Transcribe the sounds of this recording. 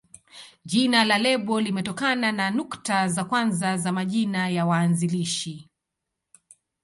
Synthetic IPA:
ʄinalalɛɓɔlimɛtɔkanananuktazakwanzazamaʄinajawaːnziliʃi

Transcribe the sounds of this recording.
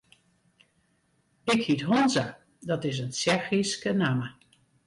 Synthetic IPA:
ɪkhitɦonza | dɔtɪs̬ənsɛrxiskənamə

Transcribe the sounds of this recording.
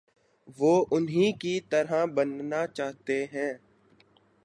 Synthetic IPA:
ʋoːʔʊnɦĩkit̪ɐɾabɐnnat͡ʃaːɦt̪eɦɛ̃ː

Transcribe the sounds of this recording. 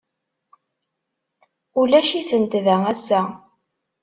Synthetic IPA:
ulæʃiθənt̪ðææsːæ

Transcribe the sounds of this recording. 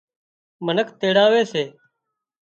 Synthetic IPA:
mənəkʰt̪eːɽaːʋeːseː

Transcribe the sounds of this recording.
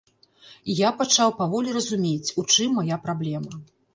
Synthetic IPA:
japat͡ʂawpavɔlʲirɐzumʲet͡sʲut͡ʂɨmːajapɾablʲɛmɐ

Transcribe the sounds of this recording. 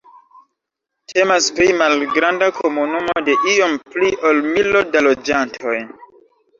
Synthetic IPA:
tʰe̞maspɾimalɡɾandakʰo̞munumode̞ʔijo̞mpliʔolmilodalo̞d͡ʒantʰo̞j

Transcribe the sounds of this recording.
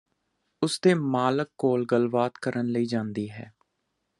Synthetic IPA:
ʊsd̪eːmaːləkːoːlɡəlbaːt̪kəɾənləiːd͡ʒãːnd̪iːɦɛ̰ː

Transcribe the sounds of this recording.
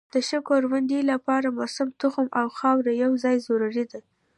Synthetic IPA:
d̪̥əʃəkoɾwand̪ilapɑɾamʊsamt̪ʊxʊmawxɑwɾajawzɑjzoɾaɾid̪a

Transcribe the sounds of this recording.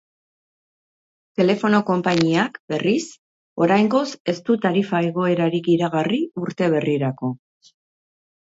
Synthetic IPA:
t̪e̞le̞fo̞no̞ko̞mpaɲiakbe̞ris | o̞ɾajŋɡo̞se̞st̪ut̪aɾifaeɣ̞o̞e̞ɾaɾikiɾaɣ̞ariuɾt̪e̞β̞e̞riɾako̞

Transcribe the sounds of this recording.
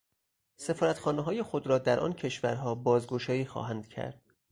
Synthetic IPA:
se̞fɒːɾæt̪χɒːneɦɒːje̞xod̪ɾɒːd̪æɾʔɒ̰ncʰe̞ʃvæɾɦɒːbɒːzɡoʃɒːjiːxɒ̰ːɦænd̪̥cʰæ̰ɾd̪̥

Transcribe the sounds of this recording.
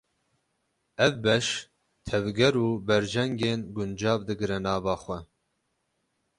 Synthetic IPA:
ɛvbɛʃ | t̪ʰɛvɡɛɾuːbɛɾd͡ʒɛŋɡeːnɡʊnd͡ʒɑːvd̪ɨɡɨɾɛnɑːvɑːxʷɛ

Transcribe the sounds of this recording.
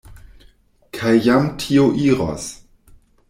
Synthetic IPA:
kʰajːamtʰioʔiɾa̰s

